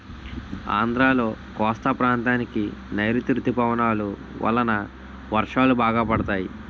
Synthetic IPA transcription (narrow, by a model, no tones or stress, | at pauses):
a̰ːnd̪ɾaːlo̞ːkɔːst̪ɐpɾaːnt̪aːnikinɐjɾut̪iɾut̪ːipɐʋɐnaːlu | ʋɐ̰lːɐnɐ | ʋɐɾʂaːlubaːɡaːpɐɽɐt̪aːji